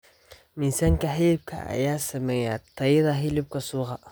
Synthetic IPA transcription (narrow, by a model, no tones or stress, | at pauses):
minsaŋkaɦɪlɪb̚kʰa̰a̰jaːsɛmɛŋatajɪdaɦɪlɪb̚kasuːɣa